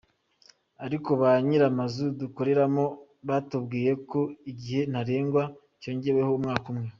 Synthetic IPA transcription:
aɾiko̞βaɲiɾamazuduko̞ɾe̞ɾamo | βatubɡiːje̞ko̞iɟihe̞n̥haɾe̞ːŋɡwa | co̞ːɲɟe̞we̞ho̞umŋaːkumŋe

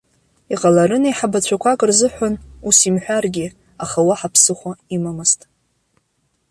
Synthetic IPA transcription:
iqʼalaɾɨnajħabat͡ɕʷʰakʷʰakʼrzɨħᶣʷanusimħᶣʷarɡʲi | aχawaħapʰsɨχʷaimamɨztʼ

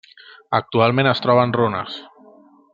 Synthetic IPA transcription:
ək̚t̪ualˠmẽnəst̪ɾɔβ̞ənronə̰s

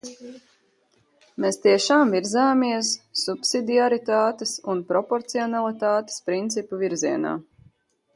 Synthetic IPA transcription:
mest̪iɛʃaːmviɾzaːmiɛsːupsid̪iaɾit̪aːt̪esunpɾɔpɔɾt̪siɔnalˠit̪aːt̪e̥spɾint̪sipuviɾziɛna̰ː

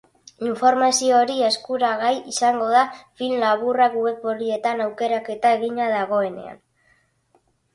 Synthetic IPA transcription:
iɱfo̞ɾmasio̞ɾie̞skuɾaɣajisaŋɡo̞ðafilnlaβ̞urakue̞pːoɾie̞t̪anawke̞ɾake̞t̪aeɣiɲaðaɣ̞o̞e̞ne̞̰a̰n

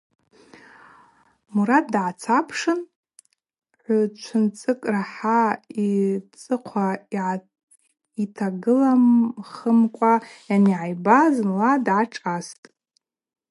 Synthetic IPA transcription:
muɾat̚dʕat͡sʰapʰʂɨn | ħʷʊt͡ʃʷʰɨnt͡sʼɨkʼraħait͡sʼɨqʷʰaiʕ | itʰaɡɨlamχəmkʷʼajaniʕajbazmladʕaʈ͡ʂʼastʼ

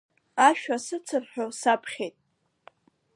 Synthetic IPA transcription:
aʃᶣasɨt͡sʰɨrħʷᶣosapʰχʲejtʼ

